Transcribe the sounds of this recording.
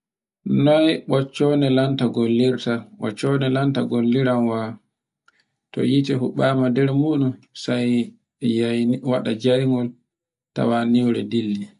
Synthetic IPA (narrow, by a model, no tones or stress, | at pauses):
nɔjɓɔt͡ʃːɔnɛlantaɡolːiɾtawɔ̰t͡ʃːɔnɛlantaɡolːiɾanwa | tɔ̰jitɛɦuɓaːmadɛɾmuːɗunsaj | awaɗad͡ʒajŋɡɔl | ta̰waniwɾɛ̰dilːi